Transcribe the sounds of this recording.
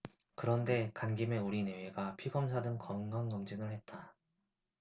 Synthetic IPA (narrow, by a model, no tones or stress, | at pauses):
kɯɾʌnde̞kanɡime̞uɾine̞weɡapʰiɡʌmsʰadɯŋkʌnɡʌnːʌmd͡ʑinɯɭhe̞t̚t͈a